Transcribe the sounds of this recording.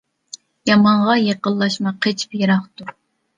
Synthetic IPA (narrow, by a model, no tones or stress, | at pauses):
jɑmɑɴʁɑjeqəlˠːɑʃmɑqʰet͡ʃʰpjeɾɑχt̪ʰuɾ